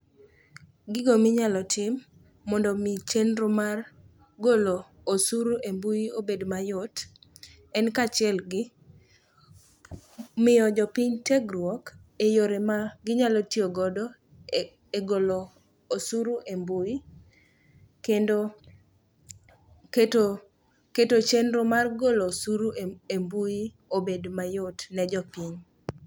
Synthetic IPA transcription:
ɡɪɡomɪɲalɔtʰɪmː | ɔndɔmit͡ʃenɾomar | ɡolo | osuɾuʔembuiobedmajʊt | ɛnkat͡ʃɪɛlɡɪ | mɪjɔd͡ʒɔpiɲteɡɾwɔk | ejoɾemaɡɪɲalɔtioɡɔdɔ | eɡoloː | suɾuʔembui | kendo | keto | ketot͡ʃenɾomarɡolosuɾuembui | obedmajʊtnɛd͡ʒɔpiɲ

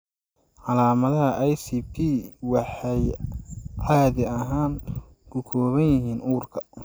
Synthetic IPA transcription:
ʕɑlaːmɐðɐɦɐʔɛjsipʰiwɑħɑj | ʕɑjðɪɐɦaːn | kʰʊkʰɔːβɐnjɪɦiːnʔuːrkʰɐ̥

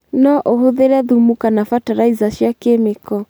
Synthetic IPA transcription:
nɔʔohoðeɾɛðumukanafataɾaizaʃjakemekɔ

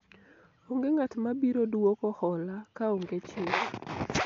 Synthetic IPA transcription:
oŋɡeŋatmabiɾodwokɔhɔlakaoŋɡet͡ʃɪl

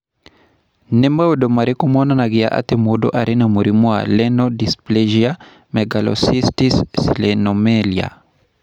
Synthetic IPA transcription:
nɛmawudomaɾikumɔnanaɡia̰ʔa̰t̪emodo̰ʔaɾinamuɾimua̰lɛnɔdispleʒia | mɛɡalɔ̰sistissḭlenomɛlia̰

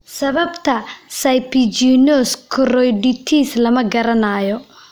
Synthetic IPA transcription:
sɐβɐbt̪ʰɐsɐjpʰit͡ʃinɔːskʰɔrɔjɖɪt̪ʰiːslɐmɐɡɐɾɐnaːjɔ

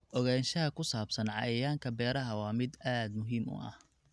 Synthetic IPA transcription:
ʔɔɣaːnʃɐɦɐkʰʊsaːbsɐnʕɑ̰jɐjaːŋkʰɐbɛːɾɐɦɐwɑːmɪd̪aːd̪mʊɦiːmʊ̰ʔɐ̰h

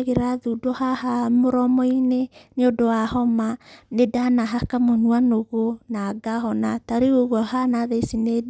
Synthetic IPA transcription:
ɣeɾaðudɔhahamoɾɔmɔineneodowahɔmanedanaɦakamonuanoɣonaɡaɦɔnataɾeoɣwɔhanaðeisine

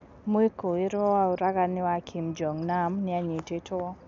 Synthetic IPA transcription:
muikuiɾauɾaɡanɪwakʰimd͡ʒɔŋnamnɪaɲititʊwɔ

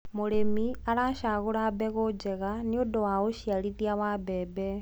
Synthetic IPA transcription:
muɾemiaɾaːʃaːɣuɾaːbeɣod͡ʒeɣaniodowaɣoʃialiðiawaːbeːbe

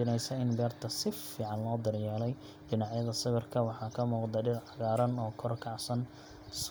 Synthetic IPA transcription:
ɪnɛjsɐɪnbɛːrt̪ʰɐsɪfiːʕɑnlɔːd̪ɐrjaːlɛj | ɖɪnɑʕjɐðɐsɪβɪrkʰɐwɑħɑːkʰɐmuːqd̪ɐɖɪlʕɑɣaːɾɐnɔːkʰɔrkʰɑʕsɐn | s

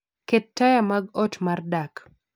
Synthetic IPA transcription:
kɛtːajamaɡɔtmardak

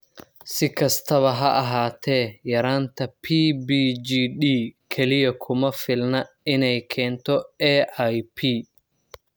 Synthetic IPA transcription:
sɪkʰɐst̪ʰɐβɐɦɐʔɐɦaːt̪ʰɛːjɐɾaːnt̪ʰɐpʰiːbiːd͡ʒiːɗiːkʰɛlɪjɐkʰʊmɐfɪlnɐ | ɪnɛjkʰɛːnt̪ʰɔɛʔajpʰiː

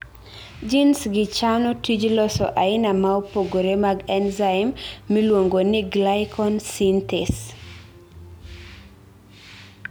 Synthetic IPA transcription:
d͡ʒinsɡɪt͡ʃanɔtid͡ʒlɔsɔ̰ʔaɪnamaopoɡoɾemaɡɛnzaɪmːilwoŋɡonɪɡlaɪkʰɔnsintɛs

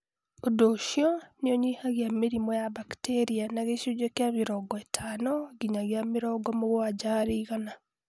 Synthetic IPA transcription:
odoʃiɔneɔɲihaɣjameɾimɔjaβakteɾianaɣeʃud͡ʒekeameɾɔɡɔetʰanɔɡiɲaɣjameɾɔɡɔmoɣoad͡ʒaːɾiɣana

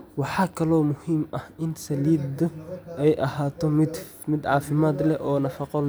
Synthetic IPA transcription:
wɑħɑːkʰɐlɔːmʊhiːmʔɐhʔɪnsɐliːd̪ʊɛjʔɐhaːt̪ʰɔmɪ | mɪd̪ʕɑːfɪmaːd̪lɛʔɔːnɐfɑqɔl

